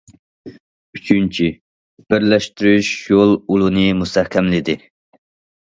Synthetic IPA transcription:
yt͡ʃʰynt͡ʃʰi | b̥ɪɾlɛʃt̪yɾyʃjolˠulˠunɨmust̪ɛhkʲʰɛmlɪd̪ɪ

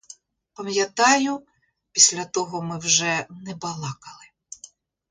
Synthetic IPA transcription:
pɐmjɐt̪ɑjʊ | pʲisʲlʲɐt̪ɔɦɔmɪwʒɛnɛbɐlˠɑkɐlˠɪ

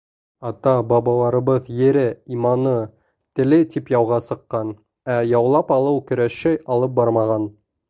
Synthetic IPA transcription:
ɑt̪ɑbɑβɑlˠɑɾɤ̆βɤðjɘ̆ɾɘimɑnɤ | t̪ɘ̆lɘt̪ipjɑwʁɑsɤ̆qːɑn | æjɑwlˠɑpɑlˠɤwkɵ̆ɾæʃæjɑlˠɤp̚bɑɾmɑʁɑn

